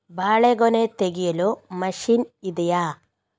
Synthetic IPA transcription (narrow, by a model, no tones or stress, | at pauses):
bʱaːɭeɡonet̪eɡijɐlomɐʂinid̪ɐjaː